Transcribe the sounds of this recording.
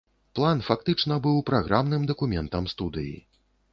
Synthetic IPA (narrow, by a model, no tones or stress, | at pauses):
plˠanfakt̪ɨt͡ʂnɐbɨwpɾaɣɾʔamnɨmd̪ɐkumʲɛnt̪ɐmst̪ud̪ɨ̰jḭ